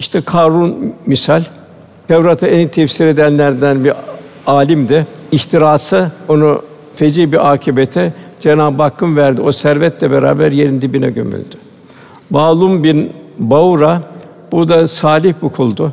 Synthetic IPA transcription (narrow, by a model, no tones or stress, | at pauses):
iʃt̪ʰɛkʰaɾunmisalʲ | t̪ɛvɾat̪ʰɯenit̪ʰɛfsiɾe̞d̪ænlʲæɾd̪ænbi | aːlʲimd̪ɪiçt̪ʰiɾaːsɯo̞nu | fed͡ʒiːbiʔaːcʰibet̪ʰɛd͡ʒenaːbakːɯnvæɾd̪io̞sæɾvɛt̪lʲɛbeɾa̰ːbæɾje̞ɾind̪ibinɛ̰ɟø̰my̰lʲd̪̥y | baːlˠumbinbauɾa | b̥ud̪asaːlʲiçbukʰulˠd̪ʊ